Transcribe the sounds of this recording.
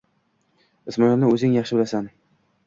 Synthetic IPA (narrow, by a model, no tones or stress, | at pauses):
ɪsmɒjɒnnɪɵzɪŋjɑχʃɪbɪlasan